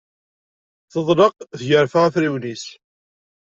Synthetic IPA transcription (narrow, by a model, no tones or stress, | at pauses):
θəðˤləqθʝəɾfəʁθɾiwnis